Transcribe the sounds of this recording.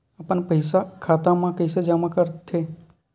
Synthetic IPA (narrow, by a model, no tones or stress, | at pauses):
apəɳpəɪsakʰat̪amãkəɪsed͡ʒamãkəɾt̪ʰe